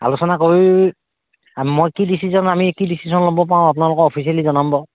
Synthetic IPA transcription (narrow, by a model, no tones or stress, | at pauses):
a̰lusɔnakoɹi | mojkidisizɔnamikidisizɔnlɔmbɔpaɹʊ̃ap̬nalʊkɔɔpʰis̬ializɔnambɔ